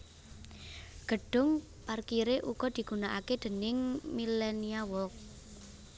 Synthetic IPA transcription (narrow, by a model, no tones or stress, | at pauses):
ɡ̥ə̤ɖ̥ʊ̤ŋ | parkiɾeʔukɔd̪̥i̤ɡ̥unaʔaked̪̥ə̤nɪŋmilɛniawɔk̚